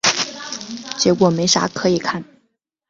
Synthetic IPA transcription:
t͡ɕjɛ˧˥kwɔ˨˩me˧˥ɪʂa̰˧˥kʰɤ˧˥i˨˩kʰa˥˩n

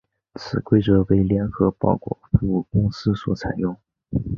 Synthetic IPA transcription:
t͡sʰɹ̩˨˩kwe˥ɪʈ͡ʂɤ˧˥we˥˩ɪljɛ˧˥nxɤ˧˥pɑ̰˥˩ʊkwɔ̰˥˩fu˧˥u˥˩kʊ˥ŋsɹ̩˥swɔ̰˧˩t͡sʰa̰˨˩ɪjʊ˥˩ŋ

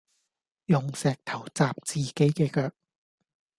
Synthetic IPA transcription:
jʊ˨ŋsɛː˨k̚t̪ʰɐ˨˩wt͡saː˨p̚t͡siː˨ke˨˥jkɛː˧kœː˧k̚

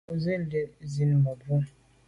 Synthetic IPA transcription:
o˨ze˦le˦zi˨n˨mɔ˨bu˦

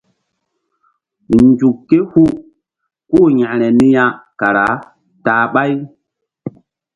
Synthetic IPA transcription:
nd͡ʒu˨kːe˦hu˦ | koː˦˨ɲã˨ɾɛ˨ni˦jã˦ka˨ɾa˨˦ | taː˨ɓa˦j

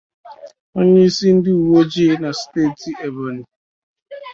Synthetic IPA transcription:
o˦ɲe˦i˦si˦n̩˦dɪ˦u˨wo˦d͡ʒiː˦na˨ste˦˨ti˨ʔe˨ba˨ni˨

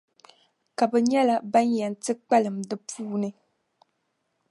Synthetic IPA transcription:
ka˨bɛ˨ɲɛ˦la˦ba˦njɛ˨n˨tɨ˦k͡pa˦lɨ˨mdɨ˦pʰuː˦nɨ˦

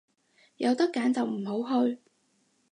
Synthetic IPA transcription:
jɐ˨˧wt̪ɐ˥kːaː˨˥nt͡sɐ˨wm̩˨˩ɦo˨˥wɦɵ˧ɥ

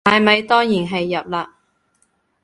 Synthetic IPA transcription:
t̪aː˨jmɐ˨˧jt̪ɔː˥ŋjiː˨˩nɦɐ˨jːɐ˨p̚laː˧

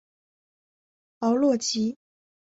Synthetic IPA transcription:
pɑ˧˥ʊlwɔ˥˩t͡ɕi˧˥

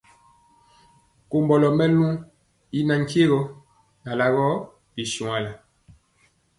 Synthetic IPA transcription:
ko˨mbɔ˨lɔ˨mɛ˦lu˦ | i˦na˨ŋ̩˦ke˦ɣɔ˦ | na˨la˨ɣɔ˦ | bi˨su˨ŋa˨la˨

